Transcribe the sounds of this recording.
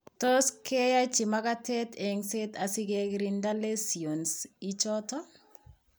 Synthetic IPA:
to˦ske˦ja˦t͡ʃɪ˨maka˦tɛ˦te˨ŋse˦t̪a˨sɪ˦ɡe˦ɡɾinda˦le˦sio˨nsi˦t͡ʃɔtɔ˦

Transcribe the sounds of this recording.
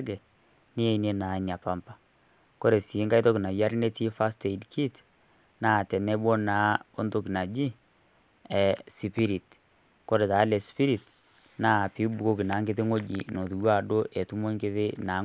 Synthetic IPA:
ɡɛ˨ | ni˦e˨˦ne˦na˨ɲa˨pa˨mpa˨ | ko˦ɾe˨si˨˦ŋɡa˦i˦to˦ki˨na˨ja˦ɾi˦ne˦ti˦fa˦ste˨dkʰi˦t | naː˦˨tɛ˨nɛ˦bwɔ˦na˨˦o˦ndo˦ki˨na˨d͡ʒi˦ | ɛ˨si˨pi˦ɾi˨t | ko˦ɾe˨ta˨˦lɛ˨spi˦ɾi˨t | na˦˨pi˨˦bu˨ko˦ki˨na˨˦ŋɡe˦ðe˦ŋo˦d͡ʒḭ˨no˨tu˨˦a˦˨do˦ʔɛ˨tu˦mo˦ŋɡe˦ðe˦na˨˦

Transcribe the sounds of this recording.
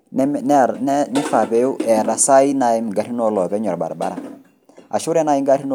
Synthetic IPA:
nɛ˦fa˨pɛ˨ju˦ʔɛ˨ɾa˨sa˦i˦na˨˦ji˦m˨ɡa˨˦ɾi˦nɔ˦lɔ˨pɛ˦ɲɔ˨ɾba̰˨ɾa˨ba̰˦ɾa˨ | a̰˨ʃu˦ɾɛ˦na˦i˦ŋɡa˦ti˦n˦

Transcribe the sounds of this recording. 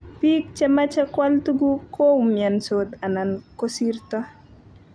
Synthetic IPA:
pi˦k̚t͡ʃɛmat͡ʃɛ˦kwaltu˦ɡu˦kʰo˦wmja˨nsod̪a˨nanko˦si˦rta˦

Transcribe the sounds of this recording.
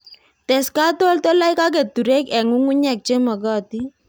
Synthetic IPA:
tɛ˨ska˦to˦ltɔ˦la˦jka˦k̬e˨tːu˨ɾe˦kɛ˨ŋu˦ŋu˦ɲɛ˨k̚t͡ʃe˦mɔ˨ɡɔ˦ti˦

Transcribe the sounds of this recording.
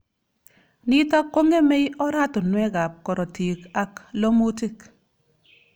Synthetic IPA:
ni˦ta˦kːo˦ŋe˦me˦jɔ˦ɾa˦tʊ˨nwɛ˦ka˨p̚kɔ˨ɾɔ˨ti˨ka˦klo˦mu˦ti˦˨k

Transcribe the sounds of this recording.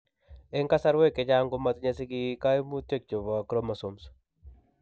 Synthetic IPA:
e˦ŋka˦sa˦ɾwe˦ke˨d͡ʒa˦ŋɡo˦ma˦t̪ɲa˦si˦ɡi˦ka˦i˦mu˦t̪je˦k̚t͡ʃo˨βa˨kɾo˦ma˨so˨ms

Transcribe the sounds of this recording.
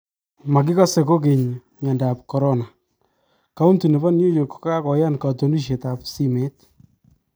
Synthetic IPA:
ma˨k̬i˦ka˦se˨ko˦ke˨ɲɲɛ˨nda˨p̚kɔ˨ɾɔ˦na˨ | ka˨˦u˦ntu˨ne˨ba˦njo˦jo˨kka˦kɔ˨ja˦nka˨to˨ni˦ʃ̬e˨ta˨psi˦me˦t̚

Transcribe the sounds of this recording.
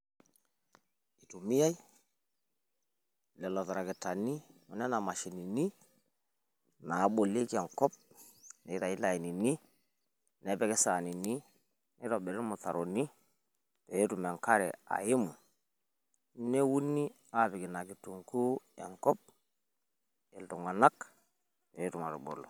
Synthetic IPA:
i˨tu˨mi˦ja˦i˦ | le˨lo˨ta˨ɾa˨ɡi˨ta˨ni˦o˨ne˦na˨ma˨ʃi˨ni˨ni˦ | na˨˦ɓo˨li˦ke˨ŋko˦p̚ | ne˨˦ɾa˨i˦la˨ji˨ni˨ni˦ | ne˦be˦ke˦sa˨ni˨ni˦ | ni˦ɾo˨be˨ɾi˦ɾmu˨θa̰˨ɾo˨ni˦ | pe˨ji˦tu˨mɛ˨ŋka˦ɾɛ̰˨a̰˨ji˦mu˨˦ | ne˦wu˦nːi˦ | a˦˨bi˨ɡi˨na˨ɡi˨tu˨ŋku˦ḛ˨ŋkɔ˦p̚ | e˨ltu˨ŋa˨na˦k | pe˨jɾu˨ma˨ɾṵ˨bo̰˨lo˨

